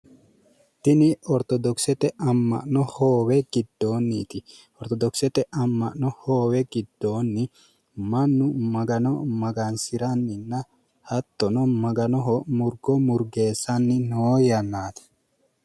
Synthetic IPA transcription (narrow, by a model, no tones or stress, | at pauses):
t̪ɪnɪɔɾt̪ɔd̪ɔksɛt̪ɛʔɐmːɐ̰ʔnɔhoːwɛɡɪd̪ːoːnːiːt̪ɪ | ɔɾt̪ɔd̪ɔksɛt̪ɛʔɐmːɐ̰ʔnɔhoːwɛɡɪd̪ːo̞ːnːɪ | mɐnːʊmɐɡɐnɔmɐɡɐnsɪɾɐnːɪnːɐ | hɐt̪ːɔnɔmɐɡɐnɔɦɔmʊɾɡɔmʊɾɡe̞ːsːɐnːɪnoːjɐnːaːt̪ɐ̥